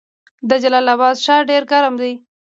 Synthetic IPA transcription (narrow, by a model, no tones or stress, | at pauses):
d̪əd͡ʒalɑlabɑd̪ʃɑɖeɾkaɾamd̪ej